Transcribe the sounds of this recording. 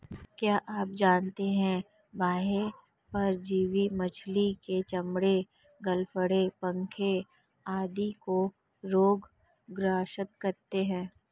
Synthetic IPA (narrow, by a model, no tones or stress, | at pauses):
kjaːʔaːp̚d͡ʒaːnt̪eɦɛ̃ | bʱaːɦe | pɐɾd͡ʒiːʋimɐt͡ʃʰliket͡ʃɐmɽe | ɡɐlfəɽepɐ̃ŋkʰe | aːd̪iko | ɾoːɡ | ɡɾaːʃət̪̚kɐɾt̪eɦɛ̃ː